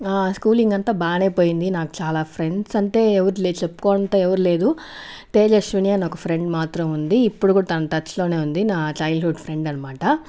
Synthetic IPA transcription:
aːskuːliŋɡɐnt̪aːbaːne̞ːpo̞ːjind̪inaːku̥t͡ʃaːlaːpʰɾe̞ɳɖsɐɳʈe̞ːeʋɐɾulet͡ʃepːu̥koːɐnt̪ɐɛʋɐɾuleːd̪uʈeːd͡ʒɐɾʃʋinijaːnɔkɐpʰɾe̞ɳɖmaːt̪ɾɐmund̪iːpːuɽukuːɽɐt̪ɐnɐt̪ɐt͡ʃlo̞ːne̞ːund̪inaːt͡ʃɐjlɦuɖpʰɾe̞ɳɖɐnːɐmaːʈɐ

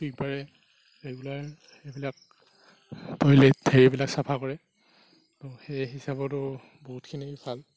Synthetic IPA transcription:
dik̚baɹɛ | ɹeɡulaɹ | ejbilak̚ | tɔjledʰeɹibilaksapʰakɔɹɛ | tɔxejɦisabɔtʊ | bɔɦutkʰinibʰʱal

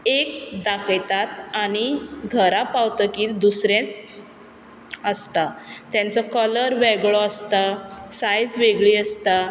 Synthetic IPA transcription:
ekd̪akəjt̪at̪aɽ̃iɡʱəɾapawt̪əkiːld̪usɾẽt͡s | əst̪at̪jãnt͡sɔkələɾʋeɡɭɔəst̪asajd͡zʋeɡɭiːəst̪a

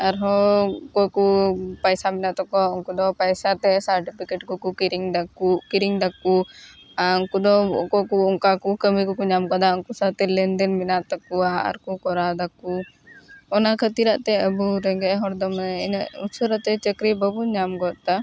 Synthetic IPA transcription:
aɾɦɔkɔkupajsaminaʔt̪ɔkɔɔŋkud̪ɔpajsat̪ɛsaɾʈipʰikɛʈkɔkukiɾiŋd̪akukiɾiŋd̪aku | aɔŋkud̪ɔkɔkuɔŋkakukəmikɔkuɲamkɔd̪aɔŋkusat̪ɛlɛnd̪ɛnminaʔt̪ɔkuaa̰ɾkukɔɾad̪aku | ɔnakʰət̪iɾaʔt̪ɛəbuɾɛŋɡɛʔɦɔɾd̪ɔmnusuɾat̪ɛt͡ʃəkɾibəbuɲamɡɔt̪a

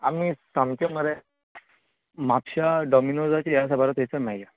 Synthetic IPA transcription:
a̰misãmt͡ɕeməɾe | mapɕaɖɔminod͡zat͡ɕiaas̬abaɾat̪ejt͡samajja

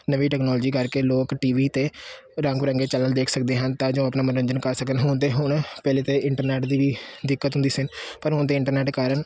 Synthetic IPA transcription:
nəʋiːʈɛːknɔːlːd͡ʒiːkəɾkeːloːkʈiːʋiːt̪eːɾə̃ŋɡɾə̃ŋɡeːt͡ʃələːld̪eːkʰsək̚d̪eːɦənt̪ãːd͡ʒõːapnaːmənʋəɲd͡ʒənkəɾsəkənɦʊnt̪̬eːɦʊɳpɛːleːt̪eːɪɳʈəɾnɛːʈd̪iːʋiːd̪ɪkːət̪ɦʊnd̪iːsɪnpəɾɦʊɳt̪eːɪɳʈəɾnɛːʈkaːɾəɳ

